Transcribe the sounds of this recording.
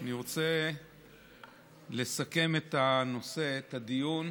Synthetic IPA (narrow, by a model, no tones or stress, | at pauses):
aniʁo̞t͡se̞ | le̞sake̞me̞t̪ano̞se̞ːt̪ad̪ijun